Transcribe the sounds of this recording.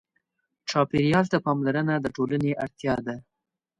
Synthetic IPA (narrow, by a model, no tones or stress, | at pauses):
t͡ʃɑpeɾijɑlt̪apɑmlaɾənad̪əʈoləneʔaɽt̪jɑd̪a